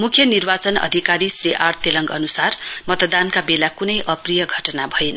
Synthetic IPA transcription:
mukʰjʌnirbat͡sʌnʌ̰d̪ʱikaɾisriʔart̪jelʌŋɡʌnusarmʌt̪d̪ankabelakunʌjʔʌprijʌɡʱʌʈʌnabʱʌjen

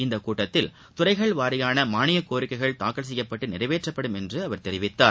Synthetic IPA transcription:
ɪnd̪ɐkuːʈːɐt̪ːɪl | t̪ʊrɐɪɣɐɭʋaːɾɪjaːnɐmaːɳɪjɐkːoːɾɪkːɐɪɣɐɭt̪aːkːɐɭs̬ɛjːɐpːɐʈːɯnɪrɐɪʋeːʈrɐpːɐɽɯmɛndrɯɐʋɐɾt̪ɛɾɪʋɪt̪ːaːɾ

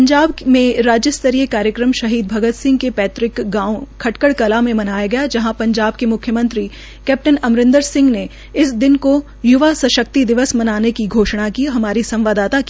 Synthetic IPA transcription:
pɐ̃ɲd͡ʒaːbmẽɾaːd͡ʒjəst̪əɾijəkaːɾjəkɾəmʃɐɦiːd̪̚bʱɐɡət̪sɪ̃ŋɡkepɛːt̪ɾɪkɡãːokʰɐʈkəɽkɐlamẽmɐnaːjaɡɐjad͡ʒɐɦãpɐ̃ɲd͡ʒaːb̚kemʊkʰjəmɐ̃nt̪ɾi | kɛːp̚ʈənɐmɾɪ̃nd̪əɾsɪ̃ŋɡne | ɪsd̪ɪnko | jʊʋasɐʃək̚t̪id̪ɪʋəsmɐnaːnekiɡʱoːʃɽ̃akiɦɐmaːɾisɐ̃mʋaːd̪aːt̪aki

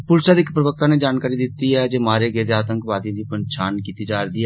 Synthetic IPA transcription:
pʊlʃaːd̪iɪkpɾəʋək̚t̪ãːneːd͡ʒaːnkaːɾiːd̪ɪt̪ːiːɛːd͡ʒeːmaːɾeːɡeːd̪eaːt̪əŋkʋaːd̪ijãːd̪iːpəɲt͡ʃaːnkiːt̪iːd͡ʒaːɾd̪iːɛ

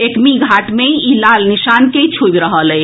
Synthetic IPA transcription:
ekmiɡʱaʈmeilalnisanket͡ʃʰobɾəɦəlɛj

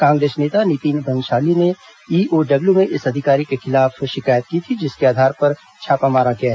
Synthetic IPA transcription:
kãːŋɡɾeːsneːt̪anɪt̪iːnbʱɐ̃nʃaːline | iːoːɖɐbljumẽʔɪsɐd̪ʱɪkaːɾikexɪlaːfʃɪkaːjət̪̚kit̪ʰid͡ʒɪskeaːd̪ʱaːɾpɐɾ | t͡ʃʰaːpamaːɾaɡɪjaɦɛ

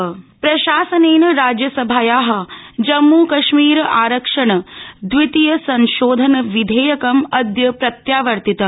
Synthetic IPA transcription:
pɾɐʃaːsɐneːnɐɾaːd͡ʒjɐsɐbʱaːjaːɦɐ̆d͡ʒɐmːuːkɐʃmiːɾaːɾɐkʂɐɳɐd̪ʋit̪ijɐsɐnʃoːd̪ʱɐnɐʋid̪ʱeːjɐkɐmɐd̪jɐpɾɐt̪jaːʋɐɾt̪it̪ɐ

